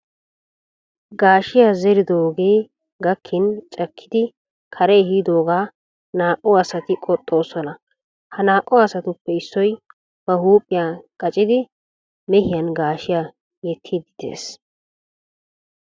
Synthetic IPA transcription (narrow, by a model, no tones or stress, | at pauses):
ɡaːʃɪjaːzɛɾɪd̪oːɡeː | ɡɐkʰːɪnt͡ʃʼɐkʰːɪ̥d̪ɪ | kʰɐɾɛːhid̪o̞ːɡaː | naːkʼːɔɐsɐt̪ɪkʼɔt̪ʼːo̞ːsɔnɐ | hɐnaːkʼːɔɐsɐt̪ʊpːɛɪsːɔj | b̥ɐhuːpʼːɪjaːkʼɐt͡ʃʼɪd̪ɪ | mɛhɪjɐnɡaːʃɪjaː | jɛt̪ʰːid̪ɪd̪ḛːs